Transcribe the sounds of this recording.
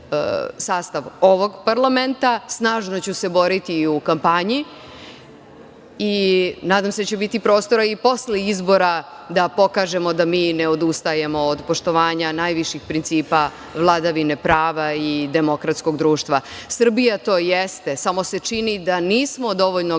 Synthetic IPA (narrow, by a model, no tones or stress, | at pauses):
saːst̪aʋo̞ʋo̞ɡpaɾlament̪asnaːʒno̞t͡ɕuse̞bo̞ɾit̪iukampaɲi | inaːd̪amseat͡ɕebit̪ipɾo̞ːst̪o̞ɾaipo̞sleizbo̞ɾa | d̪apo̞kaːʒe̞mo̞d̪amiːneod̪ust̪aje̞mo̞ːd̪po̞ʃt̪o̞ʋaːɲanajʋiʃixpɾint̪siːpa | ʋlˠad̪aʋinepɾaːʋaid̪e̞mo̞kɾat̪sko̞ɡd̪ɾuːʃt̪ʋasr̩bijat̪o̞ːjest̪e̞samo̞se̞t͡ʂinid̪aniːsmo̞d̪o̞ʋoʎno